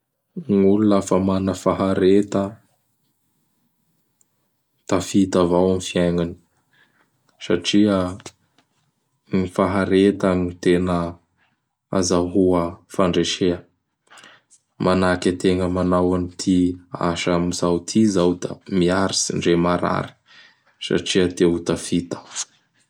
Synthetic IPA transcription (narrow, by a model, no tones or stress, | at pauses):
ŋulunafamanəfaɦaɾet̪ə | t̪afit̪avawamifiaŋani̥ | saʈ͡ʂiə | ŋifaɦaɾet̪aŋit̪enə | a̰zaɦuəfaɳɖ͡ʐeʃeə | mʔanakʲat̪eŋəmanawanit̪ʰia̰ʃamizawt̪ʰizawd̪a̰miaɾisiɳɖ͡ʐemaɾa̰ɾi̥ | sa̰ʈ͡ʂiət̪eut̪afit̪ḁ